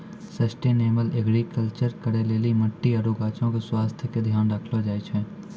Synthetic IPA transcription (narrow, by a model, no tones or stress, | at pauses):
sɐsʈeːneːməleɡɾikəlt͡ʃəɾkəɾeleːliməʈːiɐɾukaːt͡ʃõkeswaːst̪ʰjked̪ʱjaːnɾəkʰlod͡ʒaːet͡ʃʰɛ̃ː